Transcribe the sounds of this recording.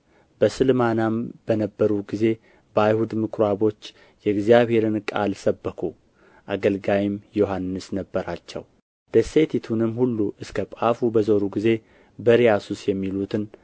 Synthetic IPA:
b̥əsɨlmanamb̥ənəbːəɾuɡize̞ | bəajhud̪mɨkɾaβo̞t͡ʃː | jɛɨɡzijaβhe̞ɾɨnkʼalsəbːəkʰu | ʔaɡəlɡawimjoɦanːɨsnəbːəɾat͡ʃːɛ̰w | d̪̥əset̪ʰit̪ʰunɨmhulːuʔɨskʰəpʼafubəzoɾuɡize̞ | bəɾijasusjɛmːilut̪ʰɨn

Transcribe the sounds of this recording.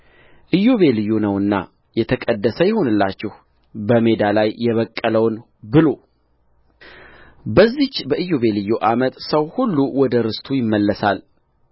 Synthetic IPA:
ʔɨjːoβe̞lɨjːonəwɨnːa̰ | jɛt̪ʰəkʼəd̪ːəsəjɛho̞nɨlːat͡ʃːɛh | bəme̞d̪alajːɛβəkʼːələwn | bɨlo̞ | bəzːit͡ʃːbəʔɨjːoβe̞lɨjːoʔamət̪səwhulːuwɔd̪əɾɨst̪ʰujɪmːəlːəsal

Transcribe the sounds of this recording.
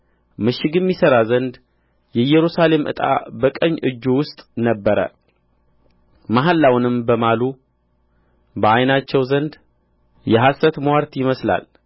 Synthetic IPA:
mɨʃːɪɡɨmːisəɾazənd̪ | jɛjɛɾusale̞mʔɨ̰t̪ʼa̰bəkʼəɲːʔɨ̰d͡ʒːuwʊst̪ʼnəbːəɾə̰ | maɦalːawnɨmbəmalu | bəajnat͡ʃːɛwzənd̪ | jɛɦasət̪mwaɾt̪jɪməsla̰l

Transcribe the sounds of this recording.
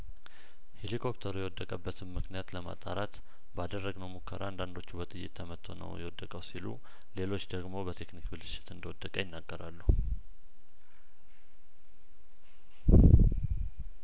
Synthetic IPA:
he̞likʰo̞pt̪ʰəɾujɛwɔd̪ːəkʼəbːət̪ʰɨnmɨknijat̪ləma̰t̪ʼaɾat̪ | bad̪ərːəɡnəwmukʰːəɾa̰and̪and̪o̞t͡ʃːubət̪ʼɨjːɪ̰t̪ʰːəmət̪ʰːo̞̰nə̰wjɛwɔd̪ːəkʼəwsilṵ | le̞lo̞t͡ʃːd̪əɡmo̞bət̪ʰeknikbɨlɨʃɪ̥t̪ɨnd̪əwɔd̪ːəkʼəjɪnːaɡːəɾalːu

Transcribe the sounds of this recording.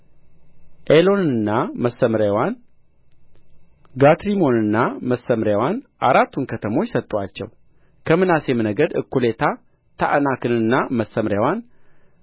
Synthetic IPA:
ʔelo̞nɨɨnːaməsːəmɾjawan | ɡat̪ɾimo̞nɨnːaməsːəmɾjawanʔaɾat̪ːunkʰət̪ʰəmo̞t͡ʃːsət̪ʼːat͡ʃːɛ̰w | kʰəmɨnase̞mɨnəɡəd̪ɨ̰kʰːule̞t̪ʰa | t̪ʰa̰ʔnakʰɨnɨnːaməsəmɾjawan

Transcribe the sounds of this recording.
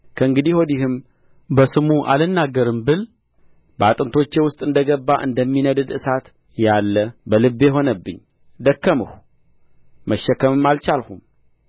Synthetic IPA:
kʰəɨŋɡɨd̪ihwod̪ihɨm | bəsɨmuʔa̰lɨnːaɡːəɾɨmbɨl | bəat̪ʼɨnt̪ʰo̞t͡ʃːewʊst̪ʼɨnd̪əɡəbːaʔɨ̰nd̪əmːinəd̪ɨd̪ɨsat̪ | jalːəbəlɨbjɛɦo̞nəbːɨɲː | d̪əkːəmɨhu | məʃːəkːəmɨmːalt͡ʃalhum

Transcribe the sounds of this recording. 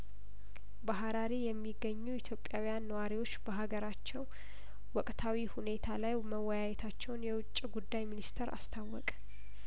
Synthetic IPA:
baɦaɾaɾijɛmːiɡːəɲːuit̪ʰjo̞pʼːjawijanːəwaɾiwo̞t͡ʃːbəɦaɡəɾat͡ʃːɛw | wɔkʼt̪ʰawihune̞t̪ʰalajməwːɔjajɛt̪ʰat͡ʃːɛwnjɛwʊt͡ʃʼːiɡud̪ːajminist̪ʰeɾa̰st̪ʰawːɔkʼ

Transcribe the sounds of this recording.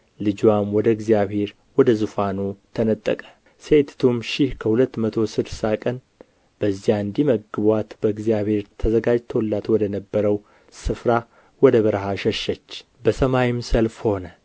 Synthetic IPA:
lɨd͡ʒwamwɔd̪əɡzijaβhe̞ɾ | wɔd̪əzufanut̪ʰənət̪ʼːə̰kʼə̥ | se̞t̪t̪ʰumʃɪhkʰəhulət̪ːmət̪ʰo̞sɨd̪sakʼən | b̥əzːijaɨnd̪iməɡːɨβwat̪bəɨɡzijaβhe̞ɾt̪ʰəzəɡad͡ʒt̪ʰolːat̪wɔd̪ənəbːəɾəw | sɨfɾa | wɔd̪əβəɾɦaʃɛʃːət͡ʃː | bəsəmajimsəlfho̞nə

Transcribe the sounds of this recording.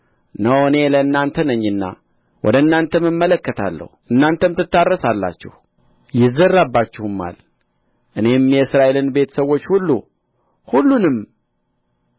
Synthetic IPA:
nəwɨne̞ləɨnːant̪ʰənəɲːɨnːa̰ | wʔɔ̰d̪əɨnːant̪ʰəmɨmːələkːət̪ʰa̰lːə̰huʔɨnːant̪ʰəmt̪ɨt̪ːarːəsalːa̰t͡ʃːɪ̰h | jɪzːərabːat͡ʃːɛhumːa̰l | ʔɨne̞mjɛɨsɾaʔe̞lɨnbe̞t̪ʰə̥səwːo̞t͡ʃːhulːu | hulːunɨm

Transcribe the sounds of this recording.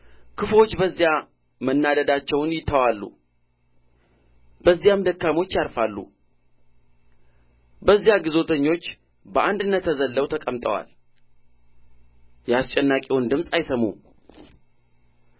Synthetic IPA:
kʰɨfo̞t͡ʃːbəzːja | mənːad̪əd̪at͡ʃːɛwnjɪt̪ʰːəwalːṵ | b̥əzːijamd̪əkːamo̞t͡ʃːjaɾfalːṵ | bəzːijaɡizo̞t̪ʰəɲːo̞t͡ʃː | bəʔand̪ɨnːət̪ʰːəzəlːəwt̪ʰəkʼəmt̪ʼə̰wa̰l | jɛast͡ʃʼɛnːakʼiwund̪ɨmsʼajsəmṵm

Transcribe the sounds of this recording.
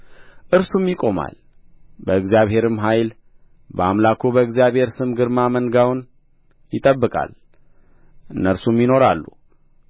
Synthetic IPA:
ʔɨɾsumjɪkʼo̞ma̰l | bəɨɡzjaβhe̞ɾɨmɦajl | bəamlakʰubəɨɡzijaβhe̞ɾsɨmɡɨɾmamənɡawn | jɪt̪ʼəbːɨkʼa̰l | ʔɨnːəɾsumjino̞ɾalːṵ

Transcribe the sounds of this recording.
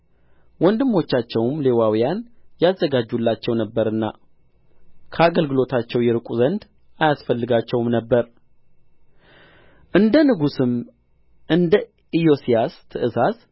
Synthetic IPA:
wɔnd̪ɨmːo̞t͡ʃːat͡ʃːɛwmle̞wawijanjazːəɡad͡ʒːulːat͡ʃːɛwnəbːəɾɨnːa̰ | kʰəaɡəlɡɨlo̞t̪ʰat͡ʃːɛwjɛɾɨkʷʼuzənd̪ | ajasfəlːɨɡat͡ʃːɛwmnəbːəɾ | ʔɨnd̪ənɨɡusɨm | ɨnd̪ə | ijo̞sijast̪ʰɨʔɨsas

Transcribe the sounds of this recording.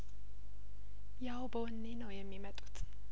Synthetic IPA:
jawbəwɔnːenəwjɛmːimət̪ʼut̪ʰ

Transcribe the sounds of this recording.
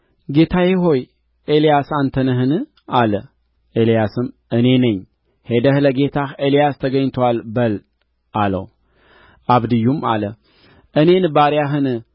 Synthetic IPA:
ɡe̞t̪ʰajeɦo̞j | ʔelijasant̪ʰənəɦɨnɨ | alə | ʔelijasɨm | ɨne̞nɨɲ | he̞d̪əhɨləɡe̞t̪ʰaxelijast̪ʰəɡəɲt̪ʰwalbəl | ʔalə̰w | ʔaβd̪ɨjːuma̰lə | ʔɨne̞nbaɾjaɦɨnɨ

